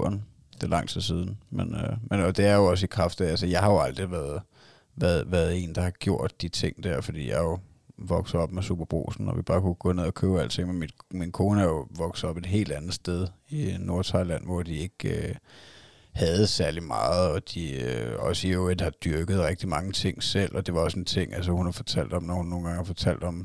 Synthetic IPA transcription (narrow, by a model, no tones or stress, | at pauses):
n | d̥elɑ̈ŋ̰t͡sʰið̰ˠsiːð̞ˠn̩menømenɒ̽d̥e̝æɐjo̝ɒ̽s̬əikʰʁɑfd̥ælsəjɑ̈ɪɦhɑ̈jo̝ɑ̈ld̥ʁiʋæɐðˠ | ʋæɐð̩ˠʋæːɐð̞̩ˠe̝̰ːnd̥ɑ̈hɑ̈ɡ̥jo̝ɐ̰d̥ːit͡sʰe̝ŋ̰d̥æɐ̰fɒd̥ḭːjɑ̈ɪjo̝ | ʋɒ̽ɡ̥sɐɒ̽b̥mesṵːb̥ɐb̥ʁo̝̰ːsn̩ɒʋib̥ɑ̈ːkʰuɡ̥ɔ̽ne̝ð̞̰ˠɒkʰøːʊæl̰t͡sʰe̝ŋ̰menmid̥minkʰoːnəjo̝ʋɒ̽ɡ̥s̩ɒ̽b̥e̝d̥ɦe̝̰ːld̥ænð̩ˠsd̥eð̞ˠino̝ɐt͡sʰɑ̈ɪlæn̰ʋɒ̰d̥ie̝ɡ̥ø | hæð̞̩ˠsæɐlimɑ̰̈ːð̩ˠɒ̽d̥iøɒ̽sioed̥hɑ̈d̥yɐɡ̥ð̩ˠʁɛɡ̥d̥imɑ̈ŋət͡sʰe̝ŋ̰sel̰ʔɒ̽d̥e̝ʋɑ̈ɒ̽sent͡sʰe̝ŋ̰ælsəhunhɑ̈fɒ̽t͡sʰæl̰d̥ɒ̽mnɒhunːo̝ːn̩ɡɑ̈ŋhɑ̈fɒ̽t͡sʰæl̰d̥ɒ̽m